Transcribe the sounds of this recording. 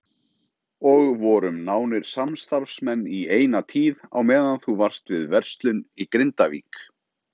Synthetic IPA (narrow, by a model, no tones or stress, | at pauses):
ɔɣvɔɾʏmnaːwnɪɾ̥samst̪aɾfsmɛnːieːjnat̪ʰiːða̰wmɛːðanθuvar̥st̪vɪðvɛr̥st̪lʏnikɾɪnt̪avḭːk